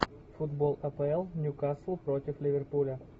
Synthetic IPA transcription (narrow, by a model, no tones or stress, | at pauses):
fʊd̪bolˠɐpəɛlˠnʲʊkaslˠʊpɾotʲɪflʲɪvʲɪrpulʲə